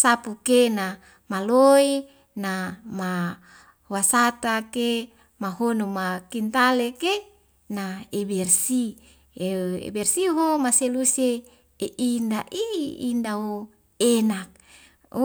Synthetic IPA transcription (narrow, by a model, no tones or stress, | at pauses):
sapukena | maloi | nama | wasat̪ake | maɦonumakint̪aleke | naebɛrsi | eḛbɛrsiɦomaseluse | eʔindaʔḭːndao | enak̚